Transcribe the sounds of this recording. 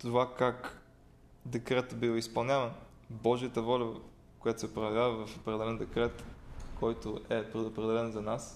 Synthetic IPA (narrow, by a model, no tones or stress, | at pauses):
t̪ovakak | d̪ɛkɾɛt̪bivispɐlˠnʲavɐn | bɔʒiət̪əvɔlʲɐ | kojat̪o̥sɛpɾojɛvʲjavɐvɐfopɾɛd̪ɛlɛnd̪ɛkɾɛt̪kʰɔjt̪oʔɛpɾɛopɾɛd̪ɛlɛnzɐnas